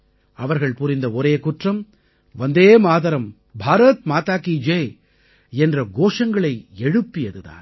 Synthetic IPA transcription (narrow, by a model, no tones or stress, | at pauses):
ɐʋɐɾɣɐɭpʊɾɪnd̪ɐɔɾeːkʊʈrɐm | ʋɐnd̪eːmaːðɐɾɐm | bʱaːɾɐt̪̚maːt̪aːkid͡ʒeː | ɛndrɐɡoːʂɐŋɡɐɭɐɪɛɻɯpːɪjɐðɯða̰ːn